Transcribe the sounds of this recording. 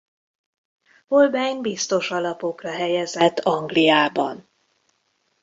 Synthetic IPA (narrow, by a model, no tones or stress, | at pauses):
holbɛjɲbist̪o̞ʃɒlɒpo̞krɒɦɛjɛzɛt̪ːɒŋɡlijaːbɒ̰n